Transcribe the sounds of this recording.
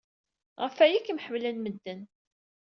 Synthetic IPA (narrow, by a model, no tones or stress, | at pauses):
ʁəfæjikmħəmlænməd̪ːən